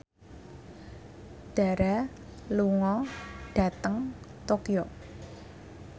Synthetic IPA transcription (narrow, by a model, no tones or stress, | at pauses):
ɖ̥a̤ɾa | luŋɔɖ̥a̤t̪əŋt̪okijo